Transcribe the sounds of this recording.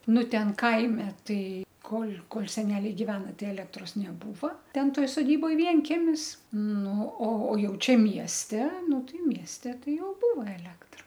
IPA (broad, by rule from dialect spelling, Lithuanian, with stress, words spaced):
ˈnʊ ˈtʲɛn ˈkɐɪmʲɛ ˈtɐɪ ˈkoːlʲ ˈkoːlʲ sʲɛˈnʲæːlʲɛɪ ɡʲɪˈʋʲæːnɐ ˈtɐɪ ˈæːlʲɛktroːs nʲɛˈbuːʋɐ ˈtʲɛn ˈtoːj soːˈdʲiːboːj ʋʲiɛŋʲˈkʲæːmʲɪs ˈnʊ oː oː ˈjɛʊ ˈt͡ʃʲɛ ˈmʲiɛsʲtʲɛ ˈnʊ ˈtɐɪ ˈmʲiɛsʲtʲɛ ˈtɐɪ ˈjɛʊ ˈbuːʋɐ ɛˈlʲæːktrɐ